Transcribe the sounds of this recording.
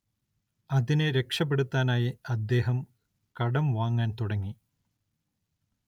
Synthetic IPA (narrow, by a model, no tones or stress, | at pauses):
ɐðineɾe̞kʂɐp̬ːe̞ɽut̪ːaːnaːjiɐd̪ːe̞ːɦɐm | kɐɽɐmʋaːŋːaːnt̪uɽɐŋːi